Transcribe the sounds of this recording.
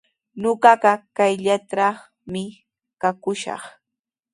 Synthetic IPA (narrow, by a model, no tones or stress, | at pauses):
noɢɑɢɑkajʎat̪ɾaχ | mɪ | kakʊʃɑ̰χ